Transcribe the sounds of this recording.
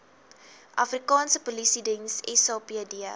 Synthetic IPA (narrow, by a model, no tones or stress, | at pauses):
ʔɐfrikɑːnsəpɔlisidiŋsɛsɔpiədiə